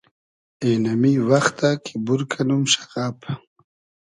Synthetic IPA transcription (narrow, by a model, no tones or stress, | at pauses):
enamiwaxt̪akʰi̥buɾkʰanumʃḁɣap